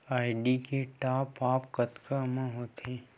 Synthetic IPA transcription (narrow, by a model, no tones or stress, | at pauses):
aːɪɖikeʈaːpaːpkət̪kamãɦot̪ʰẽː